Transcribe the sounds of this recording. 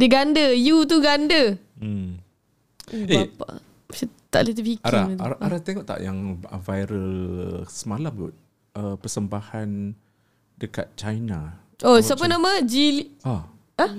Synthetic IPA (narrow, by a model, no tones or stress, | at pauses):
dəɡandəjut̪̬uɡandə | epa̰ | sat̪a̰ʔlit̪ifikaaat̪ʔaɾaht̪eŋɔʔt̪a̰ʔjaŋə̰vajɾəlsəmalamṵt̪̚ | əpərsəmbahan | dəka̰t̪̚t͡ʃajna | ʔosapənamə̃d͡ʒilia | ə